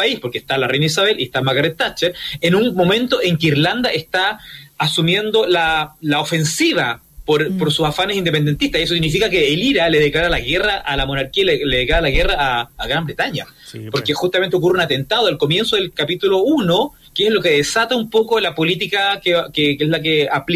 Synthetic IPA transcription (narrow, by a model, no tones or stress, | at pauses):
aispoɾkeht̪alarejnais̬aβe̞liest̪amakaɾet̪ːat͡ʃeɾenunmo̞mẽ̞nt̪oʔeŋkeiɾland̪aʔest̪aːsumje̞nd̪olalaofe̞nsiβa | poɾpoɾsusafanesind̪epend̪ent̪iht̪aiesosiɣnifikakeːliɾaleðeklaɾalaɣeraʔalamo̞naɾkialleðeklaɾalaɣeraːɣɾambɾet̪aɲa | poɾkexust̪amnt̪eokureunat̪e̞nt̪aðoalkomje̞nsoðelkapit̪ulouno | keeslo̞ke̞ðesat̪aumpokolapo̞lit̪̬ikakekekeslak̬eapl